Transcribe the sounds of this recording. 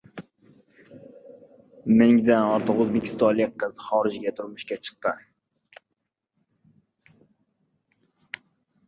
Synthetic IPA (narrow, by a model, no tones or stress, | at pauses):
mɪŋd̪anɔɾt̪ʰɒqɵzbekʲʰɪ̥st̪ɒnlɪkʲʰːɨzχɒɾɪd͡ʒɡʲat̪ʰʊɾmʊʃkʲat͡ʃʰɨ̥q̚t̪ɪn